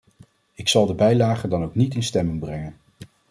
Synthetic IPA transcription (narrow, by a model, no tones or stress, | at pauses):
ɪksɑlˠdəbɛjlaːχəndɑnowknitɪnstɛmɪŋbrɛŋən